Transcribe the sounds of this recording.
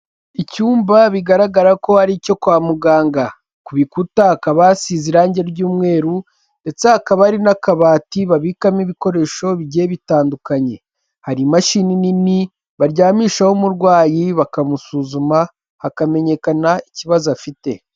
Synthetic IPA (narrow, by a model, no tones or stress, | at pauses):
icuːmbaβiɡaɾaɡaɾako̞haɾico̞kwaːmuɡaːŋɡa | kuβikutahakaβasiziɾaːɲɟeβɟuːmŋe̞ːɾu | nde̞t͡sehakaβaaɾinakaβaːtiβaβikamiβiko̞ɾe̞ʃo̞βiɟeβitaːndukaɲe̞ | haɾimaʃiːninini | βaɾɟaːmiːʃaho̞muɾɡwaːjiβakamusuːzuma | hakame̞ɲe̞kanaiciβazuafite̞